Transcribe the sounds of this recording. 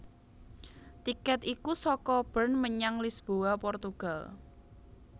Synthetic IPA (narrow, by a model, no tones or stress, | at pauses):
t̪ikɛt̪ikusɔkɔb̥ərnməɲaŋlisb̥oapɔrt̪uɡ̥a̤l